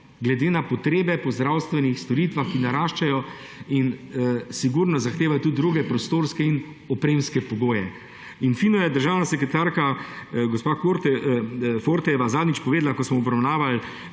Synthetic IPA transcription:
ɡlɛd̪eːnapɔt̪ɾeːbɛpɔzd̪ɾaːwst̪ʋɛnixst̪ɔɾiːt̪ʋaxkinaɾaːʃt͡ʃajɔ | insiɡuɾnɔzaxt̪eːʋajɔt̪ud̪ːɾuɡɛpɾɔst̪oːɾskɛin | ɔpɾeːmskɛpɔɡoːjɛ | infinɔjɛd̪əɾʒaːwnasɛkɾɛt̪aːɾkaɡospakoɾt | foɾt̪ɛʋazaːd̪nit͡ʃpɔʋeːd̪lakɔsmɔɔbɾawnaːʋal

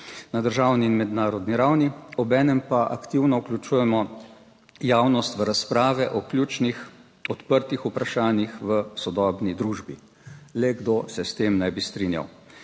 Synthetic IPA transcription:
nad̪əɾʒaːwniːnmɛd̪naːɾɔd̪niɾawniɔbɛːnɛmpaʔakt̪iwnɔuklʲut͡ʃuːjɛmɔ | jaːwnɔst̪ʋəɾaspɾaːʋɛʔɔklʲjuːt͡ʃnix | ɔt̪pəɾt̪ixupɾaʃaːnjixʋəsɔd̪ɔːbnid̪ɾuːʒbi | lɛɡd̪osɛst̪eːmnɛjbist̪ɾinja̰w

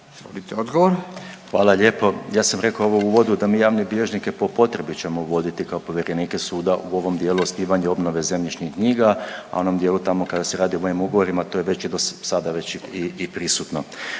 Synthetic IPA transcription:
zolit̪eod̪ɡoʋoɾxʋaːlaʎe̞ːpo̞jaːsamɾe̞kooʋouʋo̞d̪ud̪amiːjaːʋnebiʎe̞ʒnikepo̞po̞t̪ɾe̞bit͡ɕe̞mo̞uʋo̞d̪it̪ikaopo̞ʋje̞ɾe̞niːkesuːd̪aʔuo̞ʋo̞md̪jeːluosniːʋaɲeo̞bno̞ʋe̞ze̞mʎit͡ʃɲixkɲiːɡaa̰o̞nomd̪je̞ːlut̪amo̞kad̪aseɾaːd̪iomoimuɡo̞ʋo̞ɾimat̪ojeʋe̞t͡ɕid̪ossad̪aʋe̞t͡ɕiipɾisut̪no̞

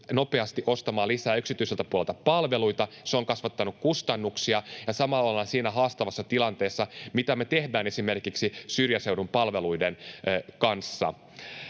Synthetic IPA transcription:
no̞pe̞ɑst̪iʔo̞st̪ɑmɑːlisæːyksit̪yiselt̪æpuolelt̪ɑpɑlʋe̞luit̪ɑseoŋkɑsʋɑt̪ːɑnukkust̪ɑnːuksiɑjɑsɑmɑlːɑlɑnɑsiːnæɦɑːst̪ɑʋɑsːɑt̪ilɑnt̪e̞ːsːɑmit̪æme̞t̪e̞hdæːne̞sime̞rkiksisyrjæsewɾumpɑlʋe̞luidenːkɑnsːɑ̰

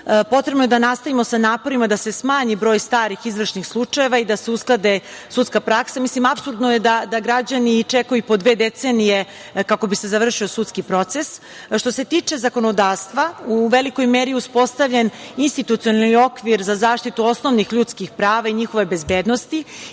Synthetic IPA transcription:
po̞t̪ɾe̞bnoed̪anast̪aʋimo̞sanaːpo̞ɾimad̪ase̞smaːɲibɾo̞ːjst̪aːɾixizʋr̩ʃnixslˠut͡ʂaje̞ʋaid̪ase̞usklˠad̪e̞sut̪skapɾaksamislimapsuɾd̪noje̞d̪ad̪aɡɾad͡ʑanit͡ʂekajupo̞d̪ʋe̞ːd̪e̞t̪senije | kako̞bise̞zaʋr̩ʃio̞sut̪skipɾo̞t̪se̞s | ʃt̪o̞se̞t̪iːt͡ʂe̞zako̞nod̪aːɾst̪ʋauʋe̞liko̞jmeɾiuspo̞st̪aʋʎeninst̪it̪ut̪ijo̞nalnio̞kʋiɾzazaːʃt̪it̪uo̞sno̞ʋnixʎut̪skixpɾaːʋaiɲixo̞ʋe̞bezbeːd̪nost̪i

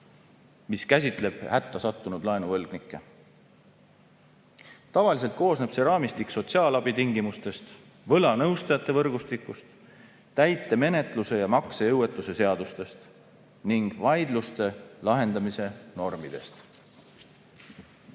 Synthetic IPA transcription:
miskæs̬ʲit̪ˑle̞b̥hæt̪ːɑsɑt̪ːunud̪̥lɑenuvɤlɡ̥nikːˑe̞ | t̪ɑvɑlis̬e̞lt̪̚ko̞ːsne̞b̥se̞ɾɑːmist̪ikso̞t̪siɑːlɑb̥it̪iŋɡimust̪e̞st̪ | vɤlɑnɤwst̪ɑjɑt̪ːˑe̞vɤrɡ̥ust̪ikːˑust̪ | t̪æjt̪ːˑe̞me̞ne̞t̪luse̞jɑmɑkseɤwe̞t̪ːˑuse̞se̞ɑd̪̥ust̪e̞st̪ | niŋɡ̥vɑjd̪lust̪e̞lɑɦe̞nd̪ɑmise̞no̞rmid̪̥e̞st̪

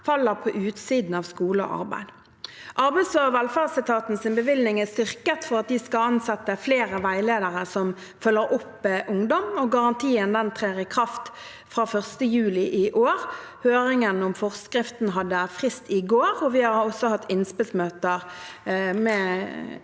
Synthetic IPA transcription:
fɑlːəʁpʰɔʔʉːt̪siːd̪n̩ɑːʋskuːləɔ̰ʔɑ̰ʁbæ̰ɪd̪ | ʔɑɾbæɪsøʋɛlfæːʁsɪt̪ʰɑːt̪nsɪnbəʋɪlnɪŋɛst̪ʏʁkət̪fɔʁɑt̪̚d̪ɪskɑlɑnsɛt̪ːəfleːʁəʋæɪleːd̪əʁəsɔm | fœlːəɾʊpːʔʊŋd̪ɔmɔɡɑʁɑnt̪ʰiːənd̪ɛnt̪ʰʁeːʁɪkʰʁɑft̪ | fʁɑːfœʁst̪əjʉːlɪʔɪʔoːʁ | høːʁɪŋənɔmfɔʁskʁɪft̪n̩ɦɑd̪ːəfʁɪst̪ʰɪɡoːʁɔʋɪhɑɾɔsːɔhɑt̪ʰːɪnspɪlsmøːt̪əʁ | mɛː

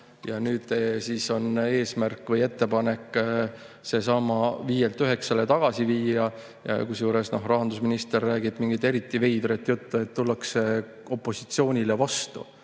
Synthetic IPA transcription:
jɑnyːd̪̥siːso̞ne̞ːsmærkːˑvɤje̞t̪ːe̞pɑne̞kːˑ | se̞sɑmːɑviːjelt̪ːyɦe̞ksɑlet̪ɑɡ̥ɑsiviːɑ | jɑ̰kus̬juːɾe̞sno̞ɦrɑɦɑnd̪usminist̪e̞rːæːɡ̥ib̥miŋɡ̥it̪ːe̞ɾit̪ːˑive̞jd̪̥ɾet̪ːjut̪ːue̞t̪ːulːɑkse | o̞pˑːo̞si̥t̪sio̞ːnʲilevɑst̪ṵ

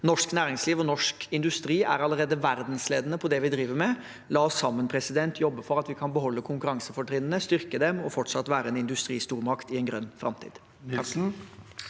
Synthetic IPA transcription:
nɔʂknæːɾɪŋsliːʋɔnɔʂkɪnd̪ʉst̪ɾiːʔæɾɑləɾeːd̪əʋæɾd̪nsleːd̪ənəpʰɔd̪ɛʋɪd̪ɾiːʋəɾmɛ | lɑːɔsːɑmːənpʰɾɛsɪd̪ɛnt̪ʰjɔbːəfɔɾɑt̪ʋɪkʰɑnbəɦɔlːəkʰʊŋkʉɾɑŋsəfɔʈʰɾɪnənəst̪ʏɾkəd̪ɛmɔfɔʈʂɑt̪ːʋæːɾəɛːnɪnd̪ʉst̪ɾiːst̪uːɾmɑkt̪ɪɛnɡɾœnːfɾɑ̰mt̪ʰḭːd̪

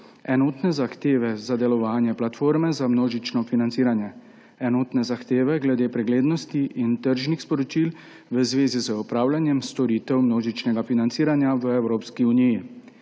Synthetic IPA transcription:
ɛnoːt̪nɛzaxt̪eːʋɛzad̪ɛlɔʋaːnjɛplat̪foːɾmɛzamnoːʒit͡ʃnɔfinant̪siːɾanjɛ | ɛnoːt̪nɛzaxt̪eːʋɛɡlɛd̪eːpɾɛɡleːd̪nɔst̪iʔint̪əɾʒnixspɔɾɔt͡ʃiːl | ʋəzʋeːzizəɔpɾaːwljanjɛmst̪ɔɾiːt̪ɛwmnoːʒit͡ʃnɛɡafinant̪siːɾanjaʋəɛwɾoːpskiuniji

